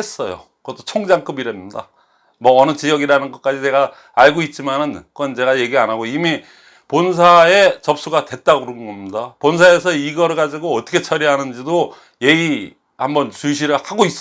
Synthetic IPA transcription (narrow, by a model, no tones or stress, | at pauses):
es͈ʌjo̰kɯʌt͈ʰot͡ɕʰoŋd͡ʑaŋk͈ɯbiɾemɲida̰ | mwʌːnɯt͡ɕijʌɡiɾanɯnɡʌt̚k͈ad͡ʑit͡ɕe̞ɡa | aɭɡoit̚t͡ɕ͈imanɯnkʌnt͡ɕe̞ɡaje̞ɡianaɡoimi | pons̬ʰae̞t͡ɕʌp̚s͈uɡadwe̞t̚t͈aɡɯɾʌnɡʌmɲidapons̬ʰae̞s̬ʰʌiɡʌɾɭɡad͡ʑiɡoʌt͈ʰʌkʰet͡ɕʰʌɾiɦanɯnd͡ʑido | je̞i | hambʌnt͡ɕuɕ̬ʰiɾɯɭhaɡois͈